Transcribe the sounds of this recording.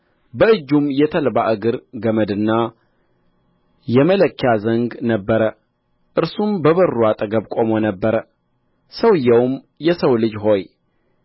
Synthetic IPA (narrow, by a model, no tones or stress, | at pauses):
bəɨd͡ʒːumjɛt̪ʰəlbaʔɨɡɨɾɡəməd̪ɨnːa | jɛmələkʰːjazəŋɡnəbːəɾə | ʔɨɾsumbəβərːuat̪ʼəɡəβkʼo̞monəbːəɾə | səwɨjːɛwm | jɛsəwlɨd͡ʒɦo̞j